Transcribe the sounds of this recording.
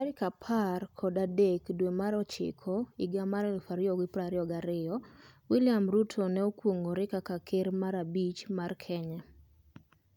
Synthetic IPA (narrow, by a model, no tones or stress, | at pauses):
ɾɪkapʰarkʰɔdadekdwemaɾɔt͡ʃɪ̰kʰɔɪɡamaɾɛlfaɾjɔɡɪpɾaɾɪɔɡaɾɪɔwɪlɪamɾutʰonɛokwoŋɡoɾɪkakakʰɪɾmaɾabit͡ʃmarkʰɛɲɛ